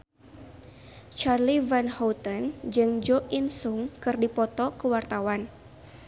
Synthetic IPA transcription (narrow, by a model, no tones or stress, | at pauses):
t͡ʃarlivɛnhowt̪ənd͡ʒɨŋd͡ʒɔʔinsuŋkɨrdipɔt̪ɔkəwart̪awan